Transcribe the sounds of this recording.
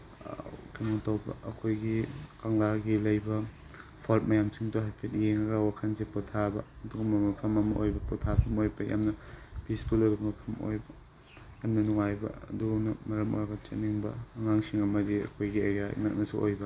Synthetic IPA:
kʰɐnuŋtawbɐ̰ɐkʰojɡikɐŋlaɡilɐjbɐ | pʰolt̚mɐjamsiŋtuɦajpʰetjeŋɐɡɐwakʰɐnzepotʰabɐɐduɡɐmɐmɐpʰɐmɐmɐʔojbɐpotʰapʰɐmojbɐja̰mnɐbʰispulɐɾuɡmɐpʰɐmo̰jbɐ | jamnɐnuŋajbɐ̰ɐ̰duɡnɐmɐɾɐmo̰jɐɡɐt͡ʃɐt̚niŋbɐ̰ɐŋaŋsiŋɐmɐdiɐ̰kʰojɡiɐ̰ɾija̰nak̚nɐsuo̰jbɐ

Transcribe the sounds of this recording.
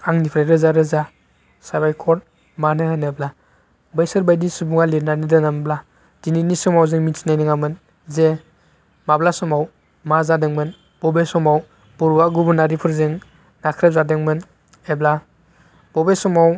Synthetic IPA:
aŋnipʰɾajɾɯzaɾɯza | sajbajkʰɔɾt̚ | manɯɦanɯbla | bajsɯɾbajdisubuŋaliɾnanidɯnambla | dininisɔmawzɯŋmintʰi̥najnɯŋamɯn | ze | mablasɔmaw | mazadɯŋmɯn | bɔbejsɔmaw | b̥ɔɾuaɡubɯɾnaɾipʰɯɾzɯŋ | nakʰɾezadɯŋmɯn | ebla | b̥ɔbesɔmaw

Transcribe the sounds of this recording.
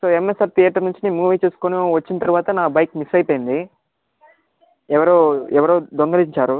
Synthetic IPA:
soːemesaːɾt̪ijaːʈːɐɾnuɲt͡ʃinimuːʋiːt͡ʃe̞ːsu̥koniʋɐt͡ʃːinɐt̪ɐɾuʋaːt̪ɐnaːbɐjkmisɐjpoːjind̪i | ɛʋɐɾoːɛʋɐɾoːd̪oŋɡɐɾiɲt͡ʃaːɾu

